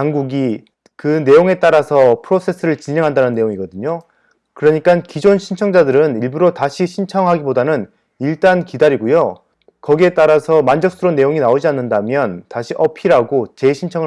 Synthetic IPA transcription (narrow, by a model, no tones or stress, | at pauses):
aŋɡuɡi | kɯne̞joŋe̞t͈aɾasʰʌpʰɯɾosʰe̞sʰɯɾɯɭt͡ɕineŋɦandanɯnːe̞joŋiɡʌdɯɲo | kɯɾʌɲik͈ankid͡ʑonɕʰint͡ɕʰʌŋd͡ʑadɯɾɯniɭbuɾotaɕʰiɕʰint͡ɕʰʌŋɦaɡibodanɯn | iɭt͈ankidaɾiɡojo | kʌɡie̞t͈aɾasʰʌmand͡ʑʌk̚s͈ɯɾonːe̞joŋinaod͡ʑianːɯndamjʌntaɕʰiʔʌpʰiɾaɡot͡ɕe̞ɕʰint͡ɕʰʌŋɯ